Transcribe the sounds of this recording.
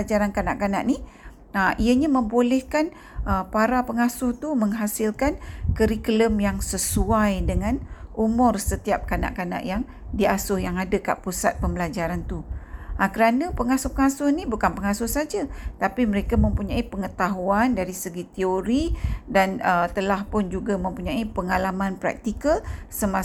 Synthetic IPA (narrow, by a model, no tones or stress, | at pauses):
ad͡ʒaɾankana̰ʔkana̰ʔni | aʔiəɲamə̃mbolɛhkan | ʔəpaɾapəŋasʊht̪uməŋɦasɪlkankəɾikləmjaŋsəsuajdəŋãnʔumʊrsət̪iap̚kana̰ʔkana̰ʔjaŋ | diasʊhjaŋadəka̰ʔpusa̰t̪̚pəmbəlad͡ʒaɾant̪uakəɾanapəŋasʊhpəŋasʊhnibukanpəŋasʊhsad͡ʒat̪apiməɾekamə̃mpuɲaipəŋət̪aɦuandaɾisəɡit̪eoɾidanət̪əlahpʊnd͡ʒuɡamə̃mpuɲãipəŋalamanpɾa̰k̚t̪ikəlsəma